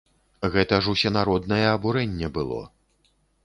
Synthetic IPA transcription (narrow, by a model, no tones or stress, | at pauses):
ɣɛt̪ɐʐusʲɛnaɾɔd̪nɐjɛɐbuɾɛnʲːɛbɨlˠɔ̰